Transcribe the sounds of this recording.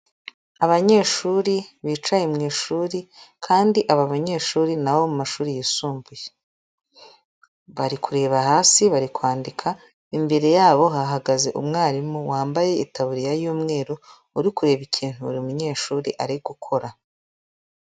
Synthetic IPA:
aβaɲe̞ːʃuɾiβiːt͡ʃajimŋiːʃuːɾikʰaːndiʔaβaβaɲe̞ʃuːɾinaβomumaʃuːɾijisuːmbuje | βaɾikuɾe̞ːβahaːsiβaɾikwaːndikʰa | imbe̞ɾe̞jaːβo̞ɦaɦaɡaze̞ʔṵmŋaːɾimuwaːmbaje̞itaβuɾijajuːmŋe̞ːɾo | uɾikuɾe̞ːβiciːn̥uɾiumuɲe̞ːʃuːɾiʔaɾiɡukʰo̞ɾa

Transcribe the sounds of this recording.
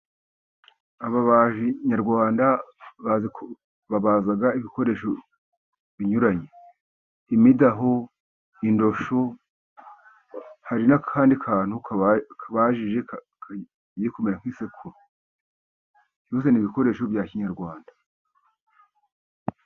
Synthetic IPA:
aβaβaʒiɲaɾɡwaːndaβaze | βaβazaɡaiβiko̞ɾe̞ʃo̞ | βiɲuɾaɲe | imidaɦo̞ | indo̞ʃo̞ | haɾinakʰaːndikʰaːn̥hukaβaʒiʒe̞ | k | jikomiɾaŋ̥hwisekʰuɾo | joːs̬eniβiko̞ɾe̞ːʃo̞bjaːciɲaɾɡwaːnda

